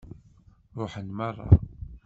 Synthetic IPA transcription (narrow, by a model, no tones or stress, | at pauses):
ɾˤoħənmɑrˤːɑ̰